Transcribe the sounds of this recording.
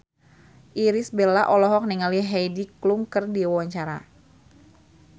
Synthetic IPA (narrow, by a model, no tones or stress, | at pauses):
ʔiɾisbɛlaʔɔlɔɦɔk̚niŋaliɦɛjdikluŋkərdiwawaɲt͡ʃaɾa̰